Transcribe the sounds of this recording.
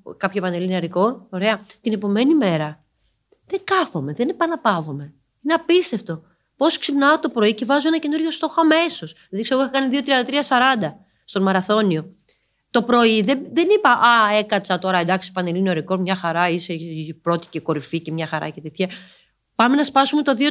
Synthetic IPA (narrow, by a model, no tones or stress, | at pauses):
kɐpçoepɐnelinɐɾiko̞oɾeɐt̪ine̞po̞me̞nime̞ɾɐ | ðe̞ŋkɐfo̞me̞ðenepɐnɐpɐvo̞me̞ | ineɐpist̪e̞ft̪o̞ | po̞sksipnɐot̪o̞pɾo̞icevɐzuenɐce̞nuɾʝost̪o̞xoɐmeso̞s | eðθikseɣoixɐkɐniðiot̪ɾiɐnd̪ɐt̪ɾiɐsɐɾɐnd̪ɐ | st̪omɐɾɐθo̞nio̞ | t̪o̞pɾo̞iðeðenipɐʔɐe̞kɐt͡sɐt̪o̞ɾɐend̪ɐksi̥pɐnelinoɐɾiko̞mɲɐxɐɾɐisepɾo̞t̪i̥ceko̞ɾificemɲɐxɐɾɐ̰ce̞t̪et̪çe | pɐme̞nɐspɐsume̞t̪o̞ðio